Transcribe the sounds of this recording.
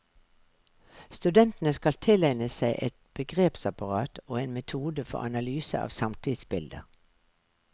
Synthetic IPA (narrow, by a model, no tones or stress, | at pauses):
st̪ʉd̪ɛnt̪n̩əskɑlt̪ʰɪlæɪnəsæɪʔɛt̪̚b̥əɡʁeːpsɑpɑʁɑːt̪ʰoːeːnmɛt̪ʰuːd̪əfɔ̰ʁɑnɑlyːsə̰ʔɑ̰ːʋsɑmt̪ʰɪd̪sbɪld̪ə̰